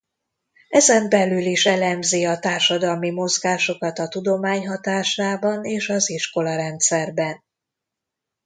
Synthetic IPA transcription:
ɛzɛmbɛlyliʃɛlɛmziɒt̪aːrʃɒd̪ɒlmimo̞zɡaːʃo̞kɒt̪ɒt̪ud̪o̞maːɲɦɒt̪aːʃaːbɒneːʃɒziʃko̞lɒɾɛnt̪sɛrbɛn

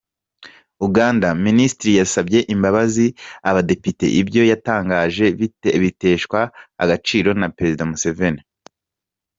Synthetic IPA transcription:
uɡaːndaministɾijasabje̞ʔimbaβaziaβade̞pite̞̰ʔibjo̞jataːŋɡaːʒe̞βite̞ːʃkwa̰ːɡat͡ʃiːɾo̞napeɾe̞zidamuse̞ve̞ni

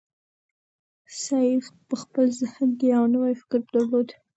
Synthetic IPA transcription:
sɑjixpəxpəlzəhənkeawnəwajfɪ̥kɪɾd̪əɾlod̪

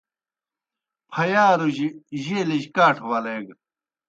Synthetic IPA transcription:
pʰɐjaːɾuʑiʑeliʑkaːʈʰwɐleːɡ

